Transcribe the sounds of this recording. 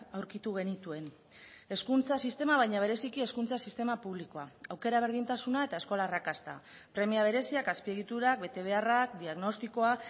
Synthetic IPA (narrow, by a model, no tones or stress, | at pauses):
awɾkit̪uɣ̞e̞nit̪ue̞n | e̞skunt͡sasist̪e̞maβajɲaβ̞e̞ɾe̞sikie̞skunt͡sasist̪e̞mapuβliko̞aawke̞ɾaβ̞e̞ɾð̞int̪asunae̞t̪ae̞sko̞laːrakast̪a̰pɾe̞miaβ̞e̞ɾe̞siakaspie̞ɣit̪uɾak̚be̞t̪e̞β̞e̞arakd̪iaɣno̞st̪iko̞a